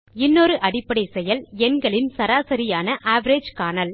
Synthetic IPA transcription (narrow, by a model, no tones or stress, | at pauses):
ɪnːoːɾɯʔɐɽɪpːɐɽɐɪsɛjɐlɛnɡɐɭɪnsɐɾaːsɐɾɪjaːnɐʔaːʋɐɾeːd͡ʒkaːnɐl